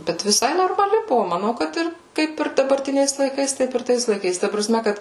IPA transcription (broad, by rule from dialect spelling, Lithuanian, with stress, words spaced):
ˈbʲɛt ʋʲɪˈsɐɪ noːrmɐˈlʲɪ ˈbʊʋoː mɐˈnɐʊ kɐt ˈɪr ˈkɐɪp ɪr dɐbɐrʲˈtʲɪnʲɛɪs lˠɐɪˈkɐɪs ˈtɐɪp ɪr ˈtɐɪs lˠɐɪˈkɐɪs tɐ prɐˈsʲmʲɛ ˈkɐt